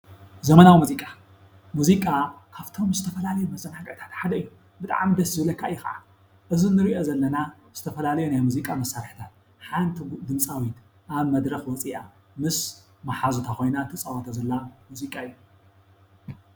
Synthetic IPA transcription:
zɐmɐnawimuzikʼa | muzikʼakʰaβt̪ʰo̞mzɨt̪ʰɐfɐlalɐjumɐzʼɐnaɡɐʔt̪ʰḁt̪ħad̪ɐɨjːu | bɨt̪ʼa̰ʕmid̪ɐszɨβlɐkʰːaʔɨjːuxɐʕa̰ | ʔɨzinːɨɾiʔozɐlːɐna | z̥ɨt̪ʰɐfɐlalɐjunajmuzikʼamɐsːaɾħt̪ʰat̪̚ | ħant̪ʰid̪ɨmsʼawit̪ | ʔaβmɐd̪ɾɐxwɔt͡sʼiʔa | mɨs | maħazut̪ʰakʰo̞jnant̪ʰɨsʼɐwat̪ʰazɐlːamuzikʼaɨjːu

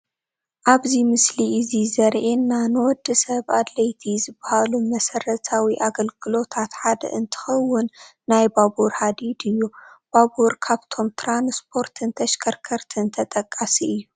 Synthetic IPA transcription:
ʔaβzimɨsliʔɨzizɐɾʕenːanɨwɔd̪ːɨsɐβad̪lɐjt̪ʰizɨbːahalumɐsɐɾɐt̪ʰawiʔaɡɐlɡɨlo̞t̪ʰat̪ħad̪ɐ̰ʔɨnt̪ʰɨ̥xɐwːʊnː | ajbabuɾhad̪id̪ɨjːub̥abuɾkʰaβt̪ʰo̞mt̪ʰɾanspʰo̞ɾt̪ʰɨnt̪ʰɐʃkʰɐɾkʰɐɾt̪ʰɨnt̪ʰɐt̪ʼɐkʼːasiɨjːu

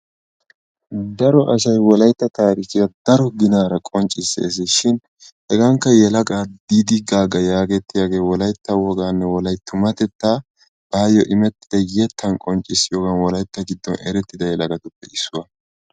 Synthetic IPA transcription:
d̪ɐɾɔʔɐʃɐjwɔlɐjt̪ːɐt̪aːɾɪkɪjɐd̪ɐɾɔɡɪnaːɾɐkʼɔnt͡ʃʼːɪsːḛs̬ɛʃɪn | hɛɡɐŋkːɐjɛlɐɡʼaːd̪id̪ɪɡaːɡɐjaːɡɛt̪ːɪjaɡe̞ːwɔlɐjt̪ːɐwɔɡaːnːɛwɔlɐjt̪ːʊmɐt̪ɛt̪ːaː | b̥aːjɔʔɪmɛt̪ːɪd̪̥ɐjɛt̪ʰːɐnkʼɔnt͡ʃʼɪsɪjoːɡɐnwɔlɐjt̪ːɐɡɪd̪ːɔ̰nɛɾɛt̪ːɪd̪ɐjɛlɐɡɐt̪ʊpːɛɪsːʊwɐ

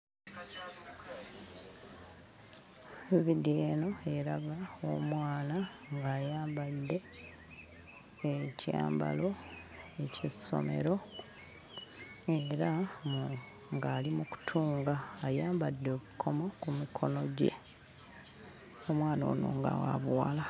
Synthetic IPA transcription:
iβidieːno̞e̞ɾaɡaomwaːna | ŋɡaːjaːmbadːe̞ | eca̰ːmba̰lo̞ | eciso̞̰me̞̰ɾo̞ | e̞ɾa | ŋɡaːlimuku̥tʰuːŋɡaːjaːmbadːoβukʰo̞mo̞kumikʰo̞noɟe̞̰ | o̞mwaːno̰ːno̰ːŋɡa̰wa̰βwwa̰ːla

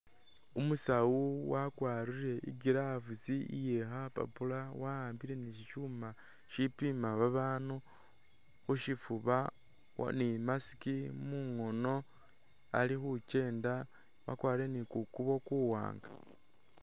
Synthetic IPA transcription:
umusawuwakwaːɾiɾe̞ḭɡiɾaːfut͡siḭjexapa̰pulawahaːmbiɾe̞niʃiʃuːma | ʃipimaβaβaːnu | xuʃifuβa̰ | nimasi̥kimuŋo̞no̞ | a̰lixut͡ʃe̞ːnda | wa̰kwaːɾiɾe̞nikukuβo̞kuwa̰ːŋɡa

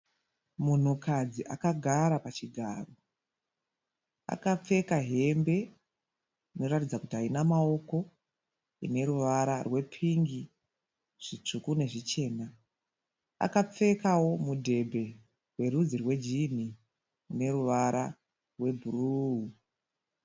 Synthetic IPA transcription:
mun̤ukad͡ziʔakaɡʱaɾapat͡ʃiɡʱa̰ːro̞ | a̰kap͡fe̞kaɦe̞mbe̞ | ino̞ratid͡zakutiɦainamao̞ko̞ | ḭne̞ɾuʋaɾarwe̞pʰiŋɡi | ʐ̥it͡ʂukune̞ʐit͡ʃe̞ːna | a̰kap͡fe̞kawo̞mudʱe̞bʱe̞ | rwe̞rud͡zirwe̞d͡ʒin̤i | une̞ɾuʋaɾʔa | rwe̞bʱuruɦu

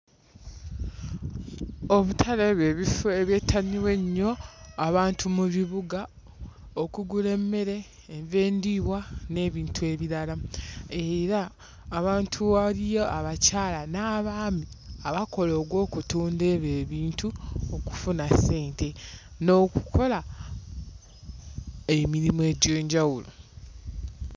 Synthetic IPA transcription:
o̞βutʰaleβjeːβifeβjeːtʰːaniwe̞ɲːo̞aβaːntumuβiβuɡa | okuɡule̞mːe̞ɾe̞ː | ɱve̞ːndiβwane̞ːβiːntʰue̞ːβiɾalaeɾaː | βaːntʰuβalijo̞ʔaβacaːlanaːβaːmi | aβako̞loːɡwo̞ːkutuːnde̞ːβe̞ːβiːntuoku̥funasːe̞ːntʰe̞ | no̞ːku̥kʰo̞la | emiɾimoe̞ːɟeːɲɟawulo̞̰

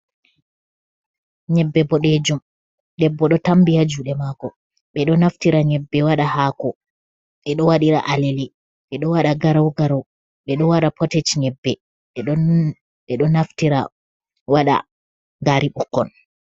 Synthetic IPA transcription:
ɲɛbːɛbɔɗed͡ʒum | ɗɛbːɔɗɔtambijad͡ʒuːɗɛmakɔ | ɓɛɗɔnaftiɾaɲɛbːɛwaɗahaːkɔ | ɓɛɗɔwaɗiɾaʔaleli | ɓɛɗɔwaɗaɡaɾawɡaɾaw | ɓɛɗɔwaɗapʰɔtet͡ʃɲɛbːɛ | ɓɛɗɔ | ɓɛɗɔnaftiɾa̰ | waɗa̰ | ŋɡaɾiɓukːɔ̰n

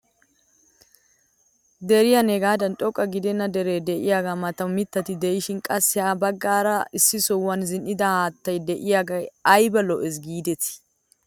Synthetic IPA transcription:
d̪ɛɾɪjɐneɡaːd̪ɐnt̪ʼɔkʼːɐɡɪd̪ɛnːɐd̪ɛɾeːd̪ɛʔɪjaːɡaːmɐt̪ɐwmɪt̪ːɐt̪ɪd̪ɛjɪʃɪnkʼɐsːɪhaːbɐɡːaːɾɐɪsːɪsɔwːɐnzɪnʔɪd̪ɐhaːt̪ːɐjd̪ɛʔɪjaːɡɐɐjbɐlɔʔɛs̬ɡiːd̪ɛt̪ɪ̥

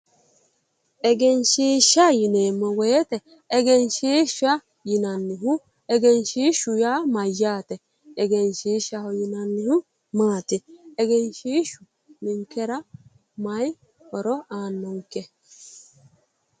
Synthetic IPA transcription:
ɛɡɛnʃeʃajinemɔwɛjɛtɛː | ɡɛnʃeʃa | jinanːiɦu | ɛɡɛnʃeʃujamajatɛː | ɡɛnʃeʃahojinanːihu | mateɛɡɛnʃeʃu | niŋkeɾa | maji | ɔɾɔʔanoŋkɛ

